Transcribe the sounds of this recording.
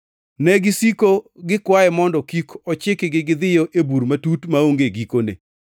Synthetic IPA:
nɛɡɪsikoɡɪkwaɛmɔndɔkikɔt͡ʃɪkɪɡɪɡɪd̪ɪjɔʔebuɾmatutmaoŋɡeɡikonḛ

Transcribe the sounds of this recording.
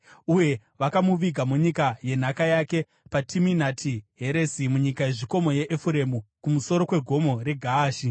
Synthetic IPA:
uje̞ | ʋakamuʋiɡʱamuɲikaje̞n̤akajake̞ | patʰiminatʰiɦe̞ɾe̞simuɲikaje̞ʐiko̞mo̞je̞ʔːfuɾe̞mukumuso̞ɾo̞kwe̞ɡʱo̞mo̞ɾe̞ɡʱaːʃi

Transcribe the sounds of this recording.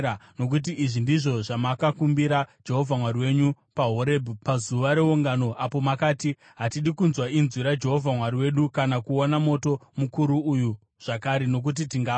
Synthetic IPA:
ano̞k̬ut̬iiʐindiʐo̞ʐamakakumbiɾad͡ʒe̞ɦo̞vʱamwaɾiwe̞ɲu | paɦoɾebʱupazuʋaɾe̞uŋɡano̞ʔapo̞makaːti | ɦatiɗikunzwainzwiɾad͡ʒe̞ɦo̞vʱamwaɾiwe̞ɗukanakuonamo̞to̞mukuɾuuju | ʐ̥akaɾe̞no̞k̬ut̬itiŋɡaː

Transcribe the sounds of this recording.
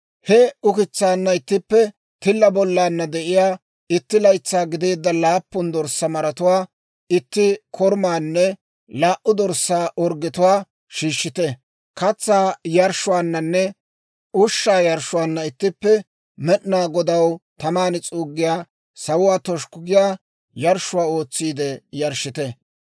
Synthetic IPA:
hɛʊkɪt͡sːaːnːɐɪt̪ːɪpːɛ | t̪ɪlːɐbɔlːaːnːɐd̪ɛʔɪjaː | ɪt̪ːɪlɐjt͡sːaːɡɪd̪e̞ːd̪ːɐlaːpːʊnd̪ɔɾsːɐmɐɾɐt̪ʊwaː | ɪt̪ːɪkʰɔɾmaːnːɛ | laːʔʊd̪ɔɾsːaːʔɔɾɡɪt̪ʊwaː | ʃiːʃːɪt̪ɛ | kɐt͡sːaːjɐɾʃʊwaːnːɐnːɛ | ʔʊʃːaːjɐɾʃʊwaːnːɐɪt̪ːɪpːɛ | mɛɗnaːɡɔd̪ɐwt̪ɐmaːnɪt͡sʼuːɡːɪjaː | sɐwʊwaːt̪ɔʃkʊɡɪjaː | jɐɾʃʊwaːo̞ːt͡sːiːd̪ɛjɐɾʃɪt̪ɛ

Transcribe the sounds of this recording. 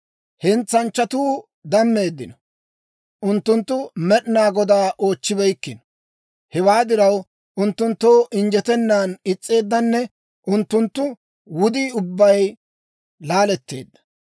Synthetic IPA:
hɛnt͡sːɐnt͡ʃːɐt̪uː | d̪ɐmːe̞ːd̪ːɪnɔ | ʔʊnt̪ːʊnt̪ːʊmɛɗnaːɡɔd̪aːʔo̞ːt͡ʃːɪbɛjkːɪn | hɛwaːd̪ɪɾɐw | ʔʊnt̪ːʊnt̪ːo̞ːʔɪnd͡ʒɛt̪ɛnːaːnɪt͡sʼːe̞ːd̪ːɐnːɛ | ʔʊnt̪ːʊnt̪ːʊ | wʊd̪iːʊbːɐj | laːlɛt̪ːe̞̰ːd̪ːɐ̥

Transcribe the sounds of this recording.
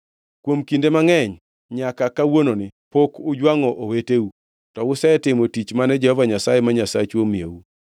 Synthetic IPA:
kwomkindemaŋɛɲ | ɲakakawononɪpokʊd͡ʒwaŋɔʔoweteu | tɔwʊsɛtɪmotit͡ʃmanɛd͡ʒɛhɔvaɲasajemaɲasat͡ʃomieu

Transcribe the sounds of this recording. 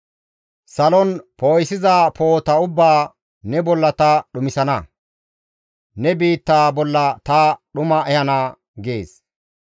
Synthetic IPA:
sɐlɔnpoːjsɪzaːpo̞ːt̪ɐʊbːaː | nɛbɔlːɐt̪ɐɗʊmɪsɐnɐ | nɛbiːt̪ːaːbɔlːɐt̪ɐɗʊmɐʔɛhɐnaː | ɡe̞̰ːs

